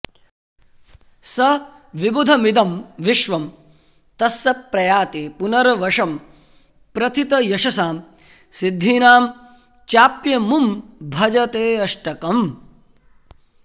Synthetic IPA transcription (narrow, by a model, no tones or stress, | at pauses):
sɐ | ʋibud̪ʱɐmid̪ɐmʋiʃʋɐm | t̪ɐsːɐpːɾɐjaːt̪eːpunɐɾɐʋɐʂɐm | pɾɐt̪ʰit̪ɐjɐʃɐsaːm | sid̪ʱːiːnaːm | t͡ʃaːpjɐmumbʱɐd͡ʒɐt̪eːɐʂʈɐkɐm